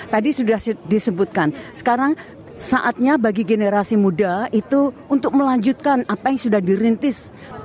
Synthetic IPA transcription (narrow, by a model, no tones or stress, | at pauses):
t̪adisudahsdisəbut̪̚kansə̥kaɾaŋ | saʔat̪̚ɲabaɡiɡeneɾasimudait̪uunt̪ʊk̚məlaɲd͡ʒut̪̚kanapajaŋsudahdiɾint̪ɪs